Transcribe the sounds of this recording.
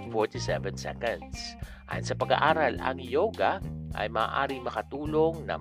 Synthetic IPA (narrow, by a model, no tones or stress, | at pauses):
foɹt̪isɛvɛnsɛ̰kɐ̃nd̪sʔa̰ːjo̰nsɐpɐɡa̰ʔaːɾɐlɐ̰ŋjoːɡaʔɐ̰jmaːʔaːɾɪŋmɐkɐt̪uːloŋnɐ̰